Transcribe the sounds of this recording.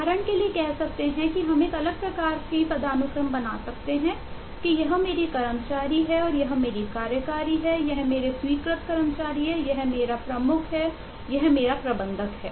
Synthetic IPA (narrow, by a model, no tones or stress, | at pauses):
aːɾəɳ̃keliekɛɦsɐk̚t̪eɦɛ̃kiɦɐmeːkɐləɡ̚pɾɐkaːɾkipɾɐd̪ʱaːnʊkɾəmbɐna̰sɐkt̪eɦɛ̃ | kijɐɦmeːɾikɐɾəmt͡ʃaːɾiɦɛɔːɾjɐɦmeːɾikaːɾjəkaːɾiɦɛjɐɦmeːɾeswiːkɾət̪kɐɾəmt͡ʃaːɾiɦɛjɐɦmeːɾapɾɐmʊkʰɦɛ | jɐɦmeːɾapɾɐbə̃nd̪ʱəkɦɛ̰ː